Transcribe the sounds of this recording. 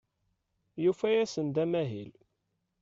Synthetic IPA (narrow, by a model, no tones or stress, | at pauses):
jufæjæsənd̪æmæɦil